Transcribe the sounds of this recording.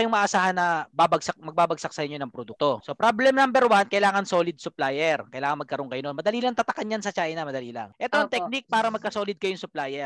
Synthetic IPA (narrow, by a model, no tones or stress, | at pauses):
ɐjʊŋmɐʔːʔːsaːhɐnːɐbabɐɡsɐk̚mɐɡ̚baːbɐɡ̚sɐk̚sɐʔɪɲjonɐŋpɾod̪uk̚t̪osopɾablɛmnambɛɾwankɐʔɪlaːŋɐnso̞ːlɪd̪̚sʊplaːjɛɾkɐjɪlaːŋɐnmɐɡ̚kɐɾoŋkɐjononmɐd̪ɐliːlɐŋt̪ɐt̪ɐkɐnjansɐt͡ʃaːʔɪnɐmɐd̪ɐliːlɐ̰ŋʔɛt̪oʔɐŋt̪ɛk̚nɪk̚paːɾɐmɐɡ̚kɐsoːlɪd̪̚kɐjʊŋsʊplaːjɛɾ